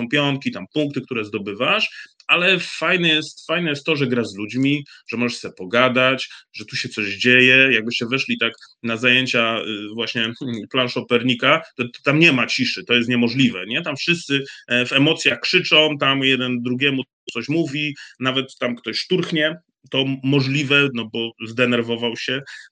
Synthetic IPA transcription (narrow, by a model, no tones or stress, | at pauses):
ɔmpʲjɔŋkʲit̪ampuŋk̚t̪ɘk̚t̪uɾɛzd̪ɔbɘvaʂalɛfajnɛjɛst̪fajnɛjɛst̪ːɔʐɛɡɾazlud͡ʑmʲiʐɛmɔʐɛʂsɛpɔɡad̪at͡ɕʐɛt̪uɕɛt̪sɔʑd͡ʑejɛjaɡ̚bɘɕt͡ɕɛvɛʂlʲit̪aknazajeɲt͡ɕavwaɕɲɛplanʂɔpɛɾɲikat̪ɔt̪amɲɛmat͡ɕiʂɘt̪ɔjɛst̪ɲɛmɔʐlʲivɛ̰ɲɛt̪amfʂɨst̪sɘvɛmɔt̪sʲjaxkʂɘt͡ʂɔ̃w̃t̪amjɛd̪ɛnd̪ɾuɡʲjɛmu | t̪sɔɕmuvʲinavɛt̪ːamkt̪ɔɕst̪uɾxɲɛ | t̪ɔmɔʐlʲivɛnɔbɔzd̪ɛnɛɾvɔvawɕɛ